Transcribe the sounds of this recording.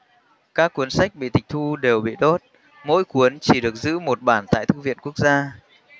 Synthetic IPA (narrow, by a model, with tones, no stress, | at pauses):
kaː˦˥kːu˨˦ənsa˦˥jk̚ɓḭ˧˨t̪ʰï˨˩k̚t̪ʰu˧ɗe˨˩wɓḭ˧˨t̪o˦˥t̚ | mo̰˧˥jku˨˦ənt͡ɕi˧˩ɗɨ˨˩ək̚zɨ̰˧˥mo˨˩t̚ɓaː˧˩nt̪a̰ː˧˨jt̪ʰɨ˧vḭ˧˨ənku˦˥ək̚zaː˧